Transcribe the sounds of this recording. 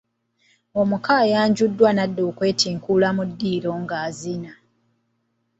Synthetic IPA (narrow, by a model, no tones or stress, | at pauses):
omukajaːɲɟudːwanadːoːkwe̞ːtʰiːŋkulamudːiːɾo̞ŋɡaːzina